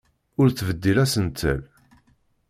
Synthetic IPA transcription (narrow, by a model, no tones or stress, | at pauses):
ʊɾθvəd̪ːilæsənt̪ʰːə̰l